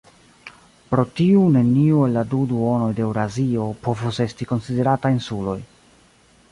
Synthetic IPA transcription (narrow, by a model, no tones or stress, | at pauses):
pɾo̞tiune̞niue̞lːaduduo̞no̞jdeewɾazio̞po̞vuse̞stiko̞nside̞ɾatajinsulo̞j